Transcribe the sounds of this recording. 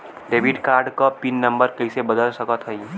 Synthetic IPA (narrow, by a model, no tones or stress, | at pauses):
ɖeːʋɪɖkaːɾɖkapinːə̃mbəɾkɐisebəd̪əlsɐkət̪ɦəĩ